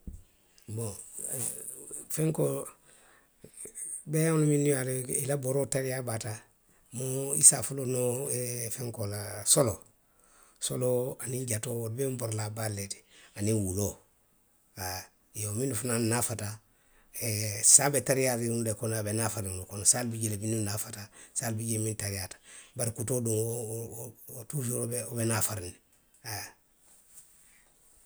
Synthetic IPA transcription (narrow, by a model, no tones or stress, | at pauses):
bõ | fɛ̃ŋko | bɛolumĩnijaleḭlaboɾotaɾijabata | moisafulonofɛ̃ŋkolasolo | soloanĩɟatoolubɛmboɾolabaleti̥anĩwulo | a | jominufunannafata | esabetaɾijatiunulekonabenafaɾinlukonsalbiɟilebinunafatasaːlbiɟemintaɾijatḁbaɾikutoduŋo | tufoɾobeobenafaɾini | a